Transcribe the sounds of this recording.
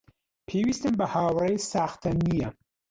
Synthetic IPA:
pʰeːwist̪ɨmbɐhaːwɾɐjsaːxt̪ʰɐnijɐ

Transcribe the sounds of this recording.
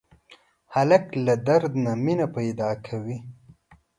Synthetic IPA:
halaklad̪aɾd̪naminapajd̪ɑkʰawi

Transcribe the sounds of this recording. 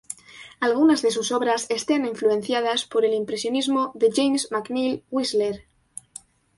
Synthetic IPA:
alɣunazðe̞suso̞βɾase̞st̪eniɱfluẽ̞n̟θjað̞aspo̞ɾe̞limpɾe̞sjo̞nizmoðe̞ʝejmzmaknilwizleɾ

